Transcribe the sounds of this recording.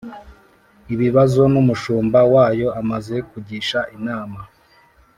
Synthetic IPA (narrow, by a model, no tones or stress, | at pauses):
iβiβazo̞numuʃuːmbawaːjo̞amaze̞kuɟiʃaʔinaːma